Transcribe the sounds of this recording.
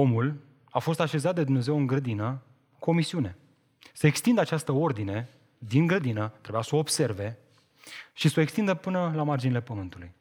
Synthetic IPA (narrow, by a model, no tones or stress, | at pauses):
o̞mul | afo̞st̪aʃe̞zat̪̚d̪e̞d̪umne̞ze̞wɨŋɡɾəd̪inə | komisiune̞ | səekst̪ind̪at͡ʃast̪əo̞rd̪ine̞ | d̪iŋɡɾəd̪inət̪ɾe̞bujasəobse̞rve̞ | ʃisoekst̪ind̪əpɨnəlamard͡ʒinile̞pəmɨnt̪uluj